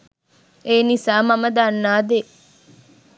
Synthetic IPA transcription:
eːnisaːmɐmɐd̪aːnːaːd̪e

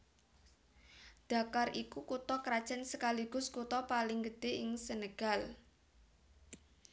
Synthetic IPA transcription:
d̪̥a̤karʔikukut̪ɔkɾad̥ʒ̥a̤nsəkaliɡ̥ʊ̤skut̪ɔpalɪŋɡəd̪̥e̤ɪŋsənəɡ̥al

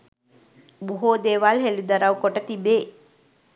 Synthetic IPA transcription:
buɦoːd̪eːʋaːlɦelid̪ɐɾawkɔʈɐt̪ibe

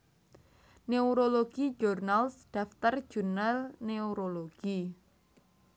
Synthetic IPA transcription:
neuɾoloɡ̥id͡ʒɔrnalsd̥aft̪ər̥d͡ʒ̥unalneuɾoloɡ̥i

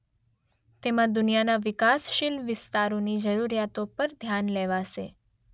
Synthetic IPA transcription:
t̪emãd̪ʊnijanaʋɪkasʃɪlʋɪst̪aɾonid͡ʒəɾuɾijat̪opəɾd̪ʱjanleʋaʃe

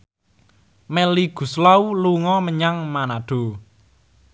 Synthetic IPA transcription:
mɛliɡ̥ṳslauluŋɔməɲaŋmanad̥o̤

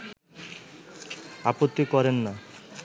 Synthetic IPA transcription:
apot̪ːikɔɾenːa

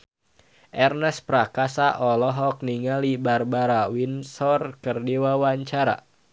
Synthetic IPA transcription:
ʔɛrnɛspɾakasaʔɔlɔɦɔk̚niŋalibarbaɾawinsɔrkərdiwawaɲt͡ʃaɾa̰

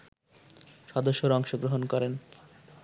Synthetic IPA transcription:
ʃɔd̪oʃːoɾɔŋʃoɡɾoɦonkɔɾen

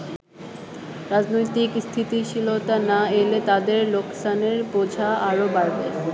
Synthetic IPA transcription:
ɾad͡ʑnojt̪ikst̪ʰit̪iʃilot̪anaelet̪ad̪eɾloksaneɾbod͡ʑʱaaɾobaɾbe

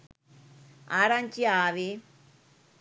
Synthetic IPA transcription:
aːɾant͡ʃiaːʋe

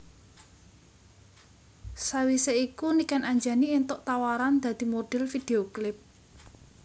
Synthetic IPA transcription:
sawiseikunikanaɲd͡ʒa̤nient̪ʊʔt̪awaɾand̪̥ä̤d̪̥i̤moɖ̥ɛ̤lfid̪̥eoklɪp̚

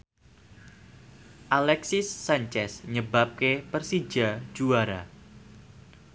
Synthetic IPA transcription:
ʔalɛksɪsːaɲt͡ʃɛsɲəbap̚kepərsid͡ʒḁd͡ʒuaɾa

